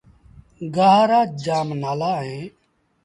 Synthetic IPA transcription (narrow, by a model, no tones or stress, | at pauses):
ɡaːɦːɾaːd͡ʒaːmnaːlaːɦẽː